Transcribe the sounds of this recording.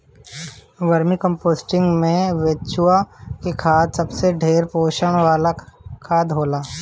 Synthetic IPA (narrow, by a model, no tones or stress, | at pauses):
ʋəɾmikə̃mpoːsʈɪ̃ŋɡmẽʋeːt͡ʃʰuakikʰaːd̪sɐbseɖʱeːɾpoːʃəɽ̃ʋaːlakʰaːd̪ɦoːlaː